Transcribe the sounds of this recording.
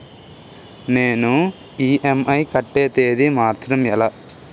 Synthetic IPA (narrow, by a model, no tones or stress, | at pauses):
neːnu | iːʔemɐjkɐʈːeːt̪eːd̪imaːɾt̪ɾɐmɛlaː